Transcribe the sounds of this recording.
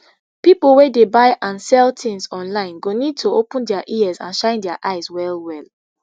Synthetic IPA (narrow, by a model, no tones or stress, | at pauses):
pipəl̩ˠwedebaɪʔãnsɛltʰɪ̃ŋsɔ̃nlãɪ̃nɡonid̚tʰoopə̃ndɛaʔiɛzã̰nʃãɪ̃ndɛaʔaɪzwɛlwɛl